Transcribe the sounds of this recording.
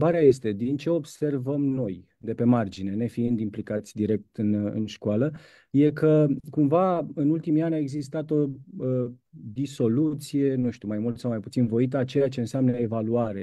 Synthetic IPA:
baɾeaje̞st̪e̞d̪int͡ʃe̞o̞bse̞rvəmno̞j | d̪e̞pe̞mard͡ʒine̞ne̞fiind̪implikat̪sʲd̪iɾe̞k̚t̪ɨnɨ̰nʃkualə | je̞kəkumvaɨnult̪imianʲae̞ɡzist̪at̪o̞əd̪iso̞lut̪sije̞nuʃt̪umajmult̪sawmajput̪sinvo̞it̪̬əat͡ʃe̞jat͡ʃe̞ɨnseamnəevaluaɾe̞

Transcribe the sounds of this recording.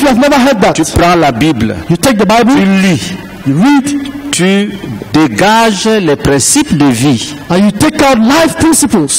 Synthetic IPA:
fjuavnɛvə˞ɦɜd̪̚ðatypɾɑ̃labibljutek̚d̪əbaɪbəlili | juɹidtʰydeɡaʒlɛpɾɛ̃sipdəvi | ãnjutekaʊtlaɪfpʰɹĩnsipəls

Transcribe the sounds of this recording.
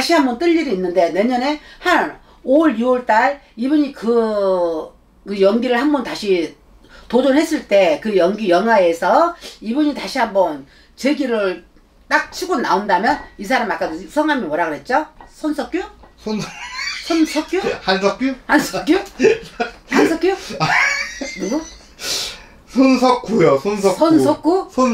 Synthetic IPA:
aɕʰihambʌnt͈ɯʎːiɾoinːɯndene̞ɲʌne̞han | oɾjuwʌɭt͈aɭ | ibɯɲikɯ | kɯjʌŋɡiɾɯɭhambʌntaɕʰi | tod͡ʑonɦe̞s͈ɯɭt͈e̞kɯjʌŋɡijʌŋɦae̞sʰʌibuɲitaɕʰihambʌn | t͡ɕeɡiɾɯɭ | t͈ak̚t͡ɕʰiɡona̰ondamjʌnis̬ʰaɾamak͈asʰʌŋɦamimʌɾaɡɯɭɦe̞t̚t͡ɕ͈osʰʌnsʰʌk͈jusʰosʰʌnsʰʌk͈juhansʰʌk͈uhansʰʌk͈ju | hansʰʌk͈ju | nuɡu | sʰonsʰʌkʰujosʰonsʰosʰʌnsʰʌk͈ʰusʰon

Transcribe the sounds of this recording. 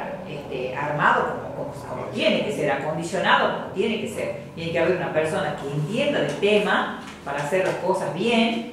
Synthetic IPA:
eht̪ḛaɾmaðokomokomosa̰βo̰t̪jenekeseɾako̞nd̪isjo̞naðopomot̪jenekeseɾt̪jenekeaβeɾunapeɾso̞nakeːnt̪je̞nd̪aðelt̪ema | paɾaːseɾlaskosazβjen

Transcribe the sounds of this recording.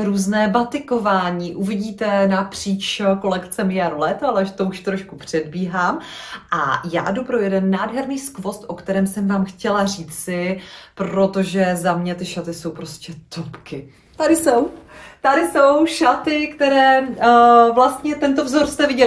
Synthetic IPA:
ɾuːznɛːbat̪ɪko̞vaːɲiːʔuvɪɟiːt̪ɛnapr̥iːt͡ʃko̞lɛkt͡sɛmɪjaɾolɛt̪alɛʒɛt̪ouʃt̪ɾo̞ʃkupr̝̥ɛdbiːɦaːmʔa̰ja̰ːdupɾo̞jɛdɛnːaːdɦɛɾniːskvo̞st̪ʔo̞kt̪ɛɾɛːmsɛmvaːmxcɛlariːt͡sɪpɾo̞t̪o̞ʒɛzamɲɛt̪ɪʃat̪ɪso̞wpɾo̞scʲɛt̪opkɪ | t̪adɪso̞wt̪adɪso̞wʃat̪ɪkt̪ɛɾɛː | vlast̪ɲɛt̪ɛnt̪o̞vzoɾst̪ɛvɪɟɛ

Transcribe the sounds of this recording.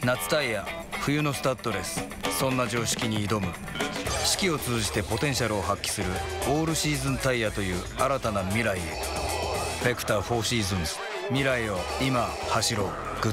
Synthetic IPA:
nat͡sɨ̥t̪aija | ɸɯ̟jɯ̟no̞sɨ̥t̪at̪ːo̞ɾe̞sɨ̥ | sõ̞nːaʑo̞ːɕi̥kʲiɲ̟iːd̪o̞mɯ̟ | ɕi̥kʲio̞t͡sɨːʑit̪e̞po̞t̪ẽ̞ɰ̃ɕ̬aɾɯ̟o̞ɦakʲːi̥sɨɾɯ̟o̞ːɾɯ̟ɕiːzɨ̃nt̪aijat̪o̞jɯ̟ː | aɾat̪anamʲiɾaiḛ | b̥ʲekɯ̟̥t̪aɸo̞ːɕiːzɨ̃ɰ̃sɨ̥ | mʲiɾaio̞ | ima | haɕiɾo̞ | ɡ̥ɯ̟

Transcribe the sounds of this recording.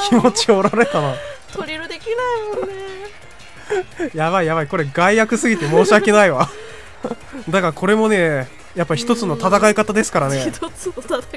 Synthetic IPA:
kʲʰimo̞t͡ɕioɾaɾe̞t̪anat̪oɾʲiɾɯd̪ekʲinaijone | jaβaijaβaiko̞ɾe̞ɡaijakɯ̟sɨɡʲit̪e̞mo̞ːɕiake̞naiβa | d̪akaɾkʰo̞ɾe̞mo̞ne̞ | japːaçi̥t̪ot͡sɨno̞t̪at̪akaikat̪ad̪e̞sɨ̥kaɾane̞t̪t͡s

